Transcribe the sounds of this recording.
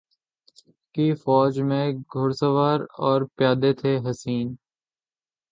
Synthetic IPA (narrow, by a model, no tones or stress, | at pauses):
kifɔːd͡ʒmẽɡʱʊɾsəʋaːɾɔːɾpjaːd̪et̪ʰeɦɐsiːn